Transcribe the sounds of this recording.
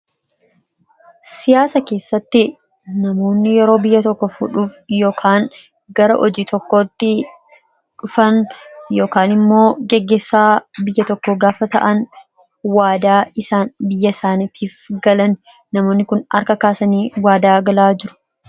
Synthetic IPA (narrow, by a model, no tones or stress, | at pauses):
sɪjaːsɐke̞ːsːɐt̪ːɪ | nɐmo̞ːnːɪjɛɾo̞ːbɪjːɐt̪ɔkːɔfṵᶑuːfjo̞ːkʰaːŋ | ɡɐɾɐʔɔd͡ʒiːt̪ɔkːo̞ːt̪ːɪ | ᶑʊfɐnjo̞ːkaːnɪmːo̞ːɡɛɡːeːsːaːbɪjːɐt̪ɔkːɔɡaːfɐt̪ɐ̰ʔɐn | waːd̪aːɪsaːnbɪjːɐsaːnɪt̪ʰiːfɡɐlɐn | nɐmo̞ːnːɪkʊnɐ̰ɾkɐkaːsɐniːwaːd̪aːɡɐlaːd͡ʒɪɾʊ̥